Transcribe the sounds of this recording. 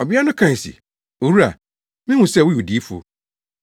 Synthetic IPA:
ɔ˨bi˦a˦nʊ̃˦kʰã˨sḭ˨ | o˨ɾu˦a̰˨ | mɪ̃˦hũ˨sɛ˦˨wʊ˦jo˨di˨˦fʊ̰˦

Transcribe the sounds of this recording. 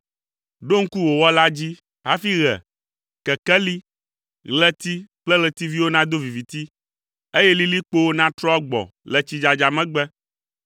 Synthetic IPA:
ɖo˦ŋ̩˦ku˦wo˨wɔ˦la˦d͡ʑi˦ | ɦa˦fi˦ɣɛ̰˨ | kɛ˨kɛ˦li˦ | ɣlɛ˦t̪i˦k͡plɛ˦ɣlɛ˨t̪i˦vi˦wo˦nã˦d̪o˦vi˨vi˨t̪i˦ | e˦jɛ˦li˦li˦k͡po˦wo˦nã˦t̪ɾɔ˦ɡ͡bɔ̰˨lɛ˨t͡ɕi˨d͡ʒa˨d͡ʒa˨mɛ̃˦ɡ͡bɛ˦

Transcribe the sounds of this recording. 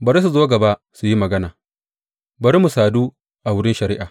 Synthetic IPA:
bɐ˨ɾs̬u˨zoː˦ɡɐ˨ba˦ | su˨ji˦mɐ˨ɡɐ˦naː˨ | bɐ˨ɾmu˨saː˨duː˦ | ʔa˨wʊ˦ɽɪ˦nʃɐ˨ɾi˦ʔaː˨

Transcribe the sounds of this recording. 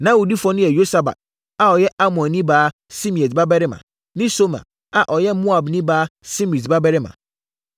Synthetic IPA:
nã˦wu˨di˦fɔ˦nʊ̃˦jɛ˨jo˦sa˨ba̰˨t̚ | a˨ɔ˨jɛ˦ʔa˦mɔ̃˨nː˨ĩ˦baː˨˦ | sĩ˦mĩ˨ɛ˨sba˦bɛ˦ɾɪ˦mã̰˨ | nɪ̃˦so˦mã̰˨ | a˨ʔɔ˨jɛ˦mu˦a˨bnĩ˦baː˨˦si˦m˨sba˦bɛ˦ɾɪ˦mã̰˨

